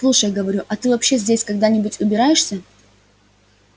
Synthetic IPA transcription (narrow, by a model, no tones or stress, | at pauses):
slˠuʂəjɡəvɐɾʲuʔɐt̪ɨvɐpɕːezʲdʲesʲkɐɡd̪anʲɪbʊtʲʊbʲɪɾajɪʂsʲə